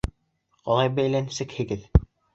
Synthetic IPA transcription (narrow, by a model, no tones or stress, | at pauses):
qɑlˠɑjbæjlænsɘkhɘ̆ɡɘð